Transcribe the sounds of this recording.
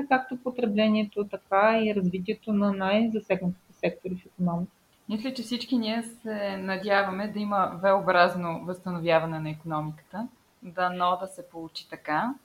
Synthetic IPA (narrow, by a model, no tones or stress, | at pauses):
kak̚t̪opot̪ɾɛblɛniɛt̪ot̪ɐkaiɾɐzvit̪̬iɛt̪onɐnajzɐsɛɡnɐt̪i̥t̪ɛsɛk̚t̪oɾifikonɔmikə | mislʲɛt͡ʃɛfsit͡ʃkiniɛsɛnɐd̪ʲjavɐmɛd̪ɐiməvɛobɾaznovɐst̪ɐnovʲjavɐnɛnɐikonɔmikə̥t̪ə | d̪ɐnɔd̪ɐsɛpolˠut͡ʃi̥t̪ɐka